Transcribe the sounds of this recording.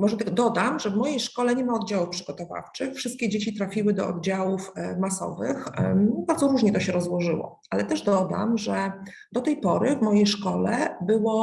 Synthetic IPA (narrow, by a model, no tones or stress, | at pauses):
mɔʐɛt̪ɛɡd̪ɔd̪amʐɛvmɔjejʂkɔlɛɲɛmaɔd̪̚d͡ʑawufpʂɘɡɔt̪ɔva̰ft͡ʂɘxfʂɘst̪̚kʲɛd͡ʑet͡ɕit̪ɾafʲiwɘd̪ɔ̰ɔ̰d̪̚d͡ʑawufmasɔ̰vɘxbaɾdzɔɾuʐɲɛt̪ɔɕɛɾɔzwɔʐɘwɔ̰ | alɛt̪ɛʐd̪ɔd̪a̰mʐɛ | d̪ɔt̪ɛjpɔɾɘvmɔjejʂkɔlɛbɘwɔ